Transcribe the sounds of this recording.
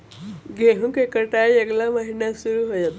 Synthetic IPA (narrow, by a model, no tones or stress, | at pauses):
ɡeɦũkekəʈaieɡlaməɦinasuɾuɦojʌt̪